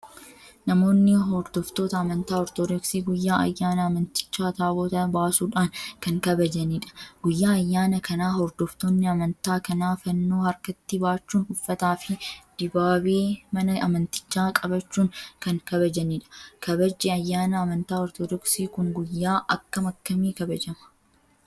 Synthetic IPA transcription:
nɐmo̞ːnːɪɦɔɾd̪ɔft̪o̞ːt̪ɐːmɐnt̪aːɔɾt̪ɔd̪ɔksiːɡʊjːaːʔɐjːaːnɐːmɐnt̪ɪ̥t͡ʃːaːt̪aːboːt̪ɐbaːsuːᶑaːnkɐŋkɐbɐd͡ʒɐniːᶑɐ̥ɡʊjːaːɐjːaːnɐkʰɐnaːhɔɾd̪ɔft̪oːnːɪɐmɐnt̪aːkɐnaːfɐnːo̞ːhɐɾkɐt̪ːɪbaːt͡ʃːuːnʊfːɐt̪aːfɪd̪̥ɪbaːbeːmɐnɐʔɐmɐnt̪ɪ̥t͡ʃːaːkʼɐbɐt͡ʃːuːŋkɐŋkɐbɐd͡ʒɐniːᶑɐ̥kʰɐbɐd͡ʒːɛɐjːaːnɐɐmɐnt̪aːɔɾt̪ɔd̪ɔksiːkʊŋɡʊjːaːʔɐkːɐmɐkːɐmiːkɐbɐd͡ʒɐmɐ̥

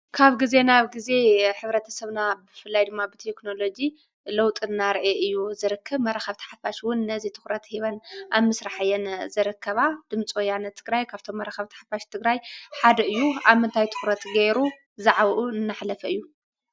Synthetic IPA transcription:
kʰaβɡize̞naβɡize̞ħɨβɾɐt̪ʰɐsɐβnabɨfɨlːajd̪ɨmːabɨt̪ʰekno̞lo̞d͡ʒi | lɐwt̪ʼɨnːaɾʔeʔɨjːuzɨɾɨkʰːɐβmɐɾɐxɐβt̪ʰḁħafaʃwʊnːɐzit̪ʰɨ̥xɾɐt̪hiβɐnʔaβmɨsɾaħajːɛnzɨɾɨkʰːɐβad̪̥ɨmt͡sʼojanɐt̪ʰɨɡɾajkʰaβt̪ʰo̞mːɐɾxɐβt̪ʰḁħḁfaʃt̪ʰɨɡɾajħad̪ɐɨjːuaβmɨnt̪ʰajt̪ʰɨ̥xɾɐt̪ɡeɾu | zaʕβʔunɨnːaħlɐfɐɨjːu

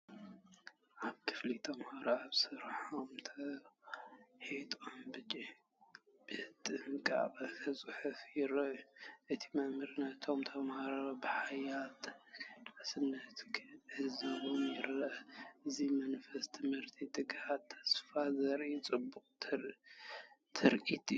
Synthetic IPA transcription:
ʔaβkʰɨ̥flit̪ʰɐmhaɾoaβsɨɾħomt̪ʰɐ | ħit̪ʼombɨt͡ʃʼi | b̥ɨhɨt̪ʼɨŋkʼa̰qʼɐkʰɐsʼɨħufjɪɾɐʔuʔɨt̪ʰi̥mɐmhɨɾɨnɐt̪ʰo̞mt̪ʰɐmhaɾabɨħajat̪d̪̥ʕasɨnːɐt̪kʰʕɨzɨβomjɪɾɐʔʔɨzimɐnfɐst̪ʰɨmhɨɾt̪ʰit̪ɨɡhat̪ʰːɐ̥sfazɐɾʔit͡sʼɨbːuqʼ | t̪ʰɨɾʔit̪ʼi

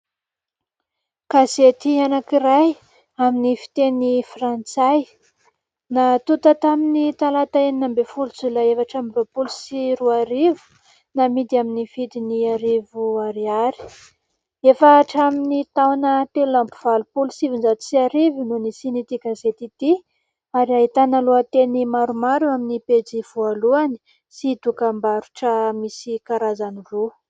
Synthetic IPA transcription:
kaset̪ianakiɾaj | aminifi̥t̪enifrant͡saj | nat̪ut̪at̪aminit̪alat̪aeninambefulut͡sulaefaʈ͡ʂambropulusiɾuaɾivu̥ | namid̪iaminivid̪iniaɾivuaɾiaɾi̥ | efaʈ͡ʂaminit̪awnət̪elampu̥v̥alupulusivind͡ʒat̪usiaɾivinunisinit̪ikazet̪it̪i | aɾiaɦit̪analuat̪enimaɾumaɾuaminipet͡siv̥ualuani̥ | sid̪ukambaɾuʈ͡ʂəmisikaɾazaniru

